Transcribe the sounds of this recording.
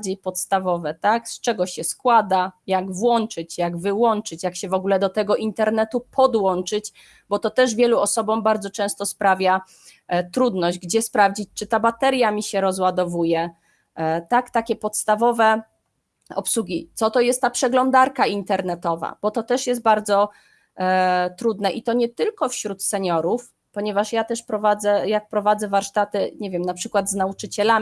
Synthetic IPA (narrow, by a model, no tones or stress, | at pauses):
d͡ʑejpɔt̪st̪avɔvɛt̪akst͡ʂɛɡɔɕɛskwad̪ajaɡvwɔnt͡ʂɘt͡ɕjaɡvɘwɔnt͡ʂɘt͡ɕjakɕɛvɔɡulɛd̪ɔt̪ɛɡɔʔint̪ɛɾnɛt̪upʰɔd̪wɔnt͡ʂɘt͡ɕ | bɔt̪ɔt̪ɛʐvʲjɛluɔsɔbɔmbaɾd̪zɔt͡ʂɛ̃w̃st̪ɔspɾavʲja | t̪ɾud̪nɔʑd͡ʑɡd͡ʑɛspɾavd͡ʑit͡ɕt͡ʂɘt̪abat̪ɛɾʲjamʲiɕɛɾɔzwad̪ɔvujɛ | t̪akt̪akʲɛpɔt̪st̪avɔvɛ | ɔ̰pswuɡʲit̪sɔt̪ɔjɛst̪ːapʂɛɡlɔnd̪aɾkaint̪ɛɾnɛt̪ɔva̰b̥ɔt̪ɔt̪ɛʂjɛst̪̚baɾd̪zɔ | t̪ɾud̪nɛʔit̪ɔɲɛt̪ɘlkɔfɕɾut̪sɛɲɔɾuf | pɔɲɛvaʂjat̪ɛʂpɾɔvad̪zɛjak̚pɾɔvad̪zɛvaɾʂt̪at̪ɘɲevʲjɛmnapʂɘkwad̪znaut͡ʂɘt͡ɕɛla